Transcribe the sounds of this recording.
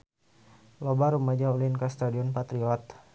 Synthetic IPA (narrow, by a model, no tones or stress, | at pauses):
lɔbaɾumad͡ʒaulinkast̪adiɔnpat̪ɾiɔt̪̚